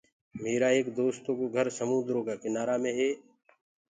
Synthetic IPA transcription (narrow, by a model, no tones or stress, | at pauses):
meːɾaːeːkd̪oːst̪oːkoɡʱəɾsəmũːd̪ɾoːkaːkɪnaːɾaːmẽːɦeː